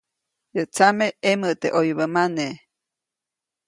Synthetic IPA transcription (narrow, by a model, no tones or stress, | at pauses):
jət͡sameeməʔt̪eʔojβəmane